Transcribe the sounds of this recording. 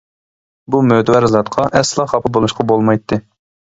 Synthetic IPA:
bumøt̪ʰwæɾzɑt̪qʰɑʔɛslˠɑχɑpʰɨbolˠuʃqʰɑbolˠmɑjt̪ʰːɨ

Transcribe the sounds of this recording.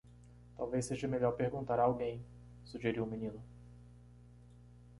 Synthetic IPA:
t̪awvejsːeʒɐmeʎɔɾpeɾɡũt̪aɾɐːwɡẽj̃ | suʒeɾiwmĩnĩnʊ

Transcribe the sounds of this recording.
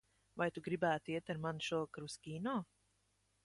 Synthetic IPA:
vajt̪uɡɾibæːt̪iɛt̪aɾmanʃuɔkɾuskʲiːnɔː

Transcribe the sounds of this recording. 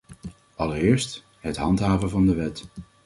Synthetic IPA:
ʔɑləɾɪːɹst | ɦətɦɑ̰ntɦaːvəvɑndəʋɛt

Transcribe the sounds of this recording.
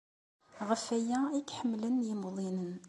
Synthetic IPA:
ʁəfːæjæikħəmːlənjɪmðˤinən

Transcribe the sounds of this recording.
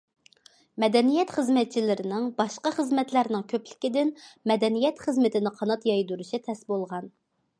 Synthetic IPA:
mɛd̪ɛnijɛt̪χəzmɛt̪̚t͡ʃʰilɪɾɪnɪŋbɑʃqɑχəzmɛt̪læɾnɪŋkʲʰøplɪkʲid̪ɪnmɛd̪ɛnijɛt̪χəzmɪt̪ʰɪnɪqʰɑnɑt̪jɑjd̪uɾuʃit̪ʰɛsbolˠʁɑn

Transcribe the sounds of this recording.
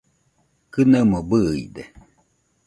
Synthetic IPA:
kɨnamobɨḭd̪e

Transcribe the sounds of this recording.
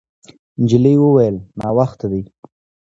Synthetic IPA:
nd͡ʒɪləjwəwajəlnɑwaxt̪ad̪əj

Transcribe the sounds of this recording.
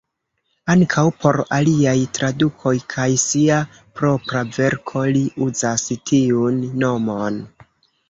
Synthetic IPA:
aŋkʰawpo̞ɾaliajtɾadukʰo̞jkʰajsia | pɾo̞pɾave̞ɾkʰo̞liʔuzastʰiunːo̞mo̞n

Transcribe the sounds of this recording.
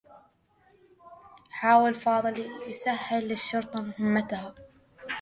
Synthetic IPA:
ħaːwɪlfɑːðˤɨljsahːɪlːɪʃːʊɾt̪ˤɑmʊhɪmːat̪aha

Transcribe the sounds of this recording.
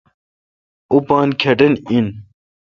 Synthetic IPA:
upɑːnkʰɐɖɨnin

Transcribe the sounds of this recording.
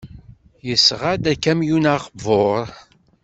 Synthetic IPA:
jəsʁad̪ækːæmjunaʁvoɾˤ

